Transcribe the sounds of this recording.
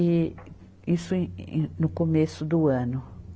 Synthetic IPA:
ɪ | isʊ̃nʊkomesʊd̪ʊɐ̃nʊ

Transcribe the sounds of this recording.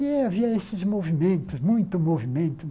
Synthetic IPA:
ɛaviɐesɪzmovimẽnt̪ʊzmũj̃t̪ʊmovimẽnt̪ʊ

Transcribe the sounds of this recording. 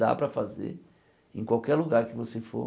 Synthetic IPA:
d̪a̰pɾɐfazḛɾ | ẽkwawkɛɾluɡaɾkɪvosefo̰

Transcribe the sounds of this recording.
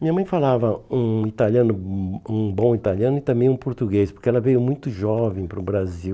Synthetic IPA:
mĩɲɐmɐ̃j̃falavɐũit̪aljɐ̃nʊũbõw̃it̪aljɐ̃nʊɪt̪ɐ̃mbẽj̃ũpoɾt̪uɡespoɾkɪɛlɐvejʊmũj̃t̪ʊʒɔvẽj̃pɾʊbɾaziw

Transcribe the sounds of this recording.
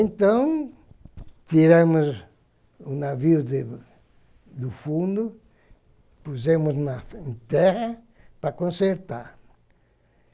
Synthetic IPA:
ẽnt̪ɐ̃w̃ | t̪iɾɐ̃mʊz | unaviuðɪ | d̪ufũnd̪ʊ | puzẽmʊznɐ̃t̪ɛʁɐ | pɾɐkõseɾt̪aɾ

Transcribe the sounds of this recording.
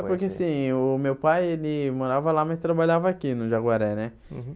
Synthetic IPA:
pʊɾkeasĩʊmewpajelɪmoɾavɐlamast̪ɾabaʎavɐːkinʊʒaɡwaɾɛnɛ

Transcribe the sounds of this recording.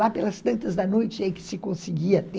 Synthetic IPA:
apelɐst̪ɐ̃nt̪ɐzd̪ɐnojt͡ʃɪɛkɪ̥sɪkõsɪɡiɐt̪ẽ

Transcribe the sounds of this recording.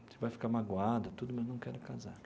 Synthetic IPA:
sɪvajfi̥kamaɡwad̪ɐt̪ud̪ʊmɐznɐ̃w̃kɛɾʊkazaɾ

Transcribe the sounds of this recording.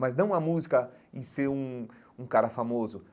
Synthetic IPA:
mɐznɐ̃w̃ɐmuzikɐĩseɾũ | ũkaɾɐfamozʊ

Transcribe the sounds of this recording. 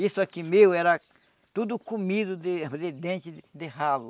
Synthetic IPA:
isʊakimewɛɾɐ | t̪ud̪ʊkumid̪ʊd̪ɪd̪ed̪ẽnt͡ʃɪd̪eɦalʊ

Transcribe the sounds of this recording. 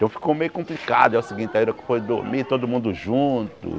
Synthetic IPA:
t̪ɐ̃w̃fi̥komejʊkõplikad̪ʊɛʊsiɡĩnt̪aiɾɐkõpojd̪o̰ɾmit̪od̪ʊmũnd̪ʊʒũt̪ʊ̰

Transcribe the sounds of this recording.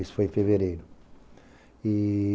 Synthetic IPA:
isfojẽfeveɾejɾʊ | i

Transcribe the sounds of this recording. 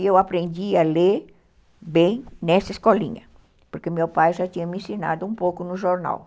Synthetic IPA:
ewapɾẽnd̪iɐle | bẽj̃nɛsɐeskɔlḭ̃ɲɐ | poɾkemewpajʒat̪iɲɐmĩsina̰d̪ʊũpowkʊnʊʒoɾna̰w

